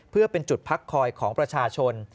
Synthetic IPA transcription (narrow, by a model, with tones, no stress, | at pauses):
pʰɯ˥˩ɐpe˧nt͡ɕu˨˩t̪̚pʰa˦˥kʰːɔː˧jkʰɔː˩˦ŋpɾa˧t͡ɕʰaː˧t͡ɕʰo˧n